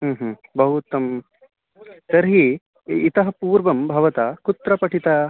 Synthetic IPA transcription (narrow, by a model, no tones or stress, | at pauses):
ɦːɦbɐɦut̪ɐm | t̪ɐɾɦiː | t̪ɐɦɐ̆puːɾʋɐmbʱɐʋɐt̪aːkut̪ɾɐpɐʈʰit̪aː